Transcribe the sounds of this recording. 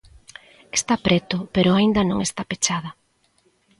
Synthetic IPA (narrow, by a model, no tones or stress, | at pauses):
est̪apɾet̪ʊpeɾʊaind̪ɐnõŋest̪apet͡ʃaðɐ